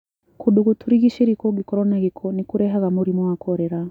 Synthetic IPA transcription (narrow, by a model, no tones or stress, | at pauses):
kuɗuɣutʰuɾiɣiʃiɾikɔɡikɔɾɔnaɣikʰɔnikuɾɛɦaɣamuɾimɔwakɔɾɛɾa